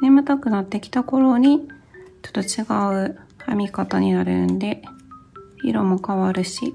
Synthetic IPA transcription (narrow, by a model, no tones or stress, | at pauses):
nemɯ̟t̪akɯ̟nat̪ːe̞kʲi̥t̪ako̞ɾo̞ɲ̟it͡ɕo̥t̪ːot͡ɕiɡaɯ̟a̰mʲikat̪aɲ̟inaɾɯ̟̰nd̪e̞ | ḭɾo̞mo̞kaβaɾɯ̟ɕḭ